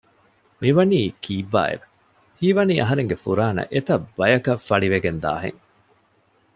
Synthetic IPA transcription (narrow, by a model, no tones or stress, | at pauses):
miʋɐniːkʰiːbːa̰ːḛʋe̥ | hiːʋɐniːʔɐɦɐɾeŋɡefuɾaːnɐ̰ʔet̪ɐbːɐjɐkɐfːɐɭiʋeɡend̪a̰ːɦḛŋ